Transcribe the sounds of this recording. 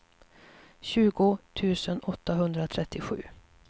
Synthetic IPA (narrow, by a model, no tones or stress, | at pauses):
ɕʉ̟ːɡʊt̪ʰʉ̟ːsənɔt̪ʰːaɦɵnd̪ɾat̪ʰɾɛt̪ʰːɪɧʉ̟̰ː